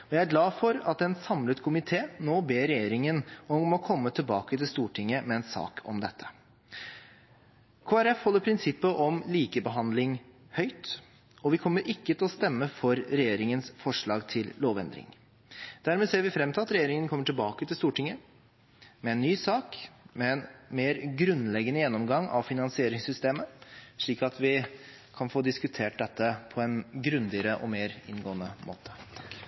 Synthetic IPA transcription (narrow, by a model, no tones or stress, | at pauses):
ɔjæɪæɾɡlɑːfɔɾɑt̪ɛnsɑmlət̪kʰʊmɪt̪ʰeːnoːbeːɾɛjeːɾɪŋənɔmːɔkʰɔmːət̪ʰɪlbɑːkət̪ʰɪlst̪uːʈʰɪŋːəmɛɛnsɑ̰ːkʰɔ̰md̪ɛt̪ʰːə̥ | kʰoːæɾɛfhɔlːəɾpʰɾɪnsɪpːəʔɔmliːkəbəɦɑnd̪lɪŋ | hœʏt̪ | ɔʋɪkʰɔmːəɾʔɪkːət̪ʰɛlɔst̪ɛmːəfɔɾɾɛjeːɾɪŋənsfɔʂɭɑːɡt̪ʰɪlloːʋɛ̰nd̪ɾɪ̰ŋ | d̪̥æɾmeːseːɾʋɪfɾɛmːt̪ʰlɑt̪ɾɛjeːɾɪŋənkʰɔmːəʈɪlbɑːkət̪ʰɪlst̪uːʈɪŋːə | mɛɛnːyːsɑːkmɛɛnmeːɾɡɾʉnlɛɡənəjɛnːɔmɡɑŋːɑ̰ʋfɪnɑnsɪeːɾɪŋsʏst̪eːməʂɭiːkɑt̪ʰʋɪ | kʰɑnfoːd̪ɪskʉt̪ʰeːʈ̚d̪ɛt̪ːəpʰɔɛnɡɾʉnd̪ɪəɾəʔɔ̰meːɾɪnɡoːənəmʔo̰ːt̪ʰə̥t̪ʰk